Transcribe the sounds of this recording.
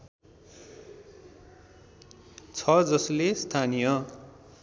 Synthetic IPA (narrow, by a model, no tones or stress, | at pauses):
t͡sʰʌd͡zʌslest̪ʰanijʌ